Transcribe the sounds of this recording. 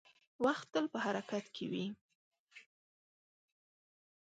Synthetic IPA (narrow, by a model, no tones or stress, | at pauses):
waxt̪ːəlpəhaɾakat̪kʰewi